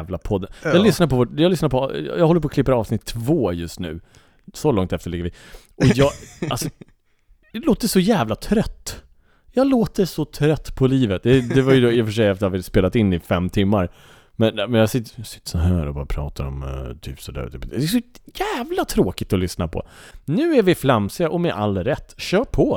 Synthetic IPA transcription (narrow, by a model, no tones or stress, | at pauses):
vlapʰɔd̪ːənjɑlʏsnaɾpʰɔvɔːʈjɑɡlʏsnaɾpʰɔ̰jɑɡhɔlːəp̬ʰɔklɪpːəɾɑːvsnɪt̪ʰːvoːjɵst̪nʉ̟̰ː | sɔlɔŋt̪ɛft̪əɭɪɡːɾvɪ | ʔɔjɑːɡalsɔ | d̪ɛloːt̪ːəʂɔjæːvlat̪ʰɾœt̪ː | jɑloːt̪əsɔt̪ʰɾœt̪ːpʰɔliːvət̪̚d̪ɛd̪ɛvaɾjɵd̪oːɪfœʂ̬ɛjɛft̪havɪspeːlat̪ɪnːɪfɛmːt̪ʰɪmːaɾ | mɛnmɛnjɑsɪt̪ːsɪ̥t̪ːə̥sɔɦæ̰ːɾɔ̰bɑːɾapʰɾɑ̰ːt̪aɾɔ̰mt̪ʰy̰ːpsɔd̪æ̰ɾɛɛs̬ɔjæːvlat̪ʰɾoːkɪt̪ɔlʏsnapʰɔ̰nʉ̟ːæɾvɪfɾamsɪaʔɔmɛʔa̰lːɾɛt̪ːɕœːpʰɔ